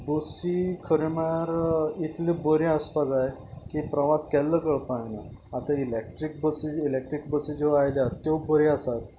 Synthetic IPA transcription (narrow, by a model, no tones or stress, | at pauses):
bəsikʰəɾemeɭaɾit̪ʰlẽbəɾiəspad͡zaekipɾəʋaskɛlːəkəɭpaɦnaː | t̪ailek̚ʈɾik̚bəsiilek̚ʈɾik̚bəsid͡ʑeʋajljat̪ːebəɾiasat̪̚